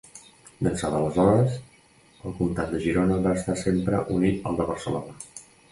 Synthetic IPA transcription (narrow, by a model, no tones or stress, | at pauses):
d̪ənsaðələzɔɾəz | əlˠkunt̪at̪̚d̪əʒiɾonəβaəst̪asempɾəʔunit̪ə̰lˠd̪əβəɾsəlonə